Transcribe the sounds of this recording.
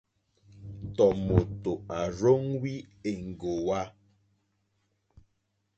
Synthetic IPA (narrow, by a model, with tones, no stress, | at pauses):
tɔ˨mo˨to˨a˨ɾo˦ŋwi˦e˨ŋ̩˨ɡo˨wa˦